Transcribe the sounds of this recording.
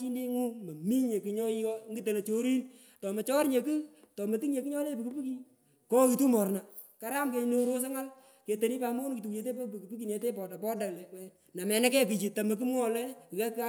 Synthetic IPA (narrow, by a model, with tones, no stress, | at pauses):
t͡ʃi˦nde˦ŋu˦mɐ˨mi˦ɲe˨ki˨ɲɔ˦i˦ɔ˦ŋɡi˦te˨la˨t͡ʃo˦ɾi˦n | tɔ˨mɐ˨t͡ʃɔ˦ɾɲe˨kɨ˦ | tɔ˨mɐ˨tɨ˦ŋɲe˨kɨ˦ɲɔ˦le˦pi˨ku˦pi˦ki˦ | kɔ˦ki˨tu˦mɔ˨rna˨ | ka˦ɾa˦mke˦ɲ˦no˦ɾo˦s̬a˦ŋa˦l | ke˨te˨ni˦pa˨mo˦nki˨tu˨kɲe˨t̬e˦po˦pku˨pi˦ki˨ne˨te˦pɔ˨da˨pɔ˦da˨kle˨kwɛ˨ | na˨mɛ˨nɛ˦kɛ˦k̬i˨t͡ʃi˨ta˨mɐ˨k̬i˦mwɔ˦lɛ˦˨ɛ˦ka˦